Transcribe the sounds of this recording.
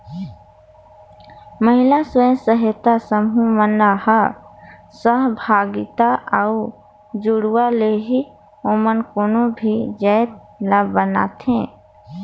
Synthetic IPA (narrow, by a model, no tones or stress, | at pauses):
məɦɪlasə̃səɦet̪asəmɦumənahə | səɦbʱaːɡɪt̪aʔəu | d͡ʒuɽwaleɦi | omənkoːnõbʱid͡ʒəjt̪̚ | labbəna̰t̪ɦẽ